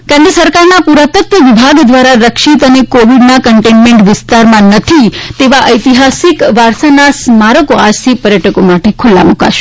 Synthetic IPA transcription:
kẽnd̪ɾəsəɾkaɾnapuɾat̪ət̪ʋəʋibʱaɡd̪ʋaɾaɾəkʃit̪ənekoʋiɖnakəɳʈenmeɳʈʋɪst̪aɾmãnət̪ʰit̪eʋaʔəjt̪iɦasikʋaɾsanasmaɾəkoad͡ʒt̪ʰipəɾjəʈʰəkomaʈekʰʊlːa̰muka̰ʃe̥

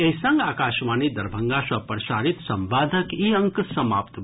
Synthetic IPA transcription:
eisəŋɡaːkaːʃmaːnid̪ɐɾbʱəŋɡasɐpɾəsaɾit̪sɐ̃mʋaːd̪ʱəkiəŋksɐmaːpt̪

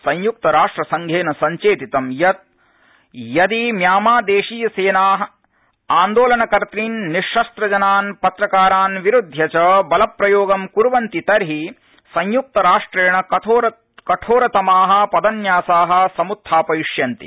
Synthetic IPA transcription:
sɐ̃ɲjuk̚t̪ɐɾaːʂʈɾɐsɐŋɡʱeːnɐsɐɲt͡ʃeːt̪it̪ɐmjɐt̪̚ | jɐd̪imjaːmaːd̪eːʂiːjɐseːnaːɦɐ̆ | aːnd̪oːlɐnɐkɐɾt̪ɾiːnːiʂːɐst̪ɾɐd͡ʒɐnaːnpɐt̪ɾɐkaːɾaːnʋiɾud̪ʱːjɐt͡ʃɐbɐlɐpːɾɐjoːɡɐmkuɾʋɐnt̪it̪ɐɾɦi | sɐ̃ɲjuk̚t̪ɐɾaːʂʈɾeːɳɐoɐ | kɐʈʰoːɾɐt̪ɐmaːɦɐ̆pɐd̪ɐnjaːsaːɦɐ̆sɐmut̪ʰːaːpɐjiʂjɐnt̪ḭ

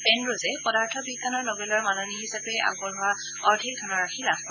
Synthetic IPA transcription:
pɛnɹozɛpɔdaɹtʰɔbikːanɔɹnɔbɛlɔɹmanɔniɦisapɛa̰ɡbɔɹɦʊa | ɔɹtʰik̚dʰʱɔnɔɹakʰilaf

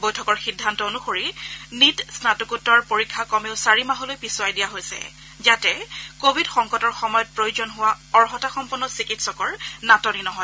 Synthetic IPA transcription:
bojtʰɔkɔɹxidʱːantɔonuxoɹinitsnatukutːaɹpoɹikʰːakɔmeʊsaɹimaɦɔlojpisʊajdijaɦojsɛ̰ | zatɛkobʱidxɔŋkɔtɔɹxɔmɔjɔt̚pɹojuzɔnɦʊwaɔɹɦɔtaxɔmpʊɹnɔsikitsɔkɔɹnatɔninɔɦɔj

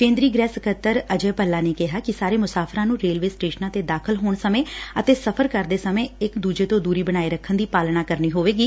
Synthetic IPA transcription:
kẽːnd̪ɾiːɡɾɛːsəkʰət̪ːəɾəd͡ʒeːpəlːaːneːkɪɦaːkɪsaːɾeːmʊsaːpʰɾãːnũːɾeːlʋeːsʈeːʃənãːt̪eːd̪aːkʰəlɦoːɳsəmẽːət̪eːsəpʰəɾkəɾd̪eːsəmẽːɪkd̪uːd͡ʒeːt̪õːd̪uːɾiːbəɽ̃aːiːɾəkʰːənd̪iːpaːlnaːkəɾniːɦoːʋeːɡiː

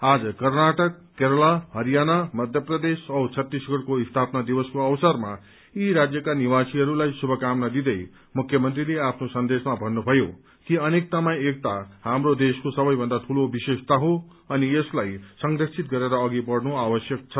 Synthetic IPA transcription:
ad͡zʌkʌrnaʈʌkːeɾʌlaɦʌɾijanamʌd̪ʱjʌprʌd̪esʌt͡sʰʌt̪ːisɡʌɽkoist̪ʰapnad̪ibʌskoʌwsʌrma | iɾad͡zjʌkaniwasiɦʌɾulajsubʱʌkamnʌd̪id̪ʌj | mukʰːjʌmʌnt̪rileapʰnosʌnd̪esmabʱʌnːubʱʌjo | kiʌnek̚t̪ʌmaj̃ek̚t̪aɦamrod̪eskosʌbʌjbʱʌnd̪at̪ʰulobisest̪aɦõ | ʌnieslajsʌŋɡrʌsʰit̪ɡʌɾeɾʌːɡibʌɽnuabʌsjʌk̚t͡sʰʌ

